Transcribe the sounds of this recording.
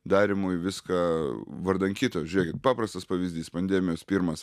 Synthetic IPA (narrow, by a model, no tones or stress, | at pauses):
d̪ɑːɾʲɪmuːjʋʲɪskɑʋɐrd̪ɐŋkʲiːt̪oːjʒʲʊɾʲeɛkʲɪt̪̚pɑːpɾɐst̪ɐspɐʋʲizʲd̪ʲiːspɐnʲd̪ʲɛːmʲɪjoːspʲiːɾmɐs